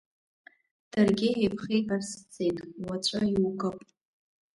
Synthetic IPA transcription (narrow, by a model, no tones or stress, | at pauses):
d̥arɡʲɪejpʰχejkʼarst͡sʰʼejtʼwat͡ɕʷʼaiukʼapʼ